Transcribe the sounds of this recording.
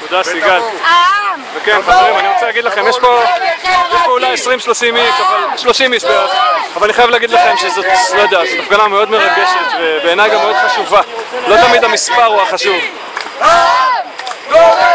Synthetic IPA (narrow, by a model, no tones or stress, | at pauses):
kud̪asiɡal | vekenχaveʁimaniʁot͡selaɡid̪laχe̞mjeʃpo̞jeʃpoulajesʁimʃlo̞ʃimiʃavalʃloʃimiʃpeʁeavalaniχajavleaɡidlaχe̞mʃezo̞t̪lo̞jd̪eazot̪afɡanameo̞d̪me̞ʁaɡe̞ʃet̪vebeːnajɡameo̞d̪̥χaʃuvalo̞t̪amid̪amispaʁuaχaʃuv